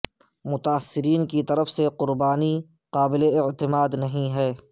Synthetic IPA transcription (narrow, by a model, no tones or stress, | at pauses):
mʊt̪aːsːɪɾiːnkit̪ɐɾəfseqʊɾbaːni | qaːbɪleɪʕt̪ɪmaːd̪nɐɦĩɦɛː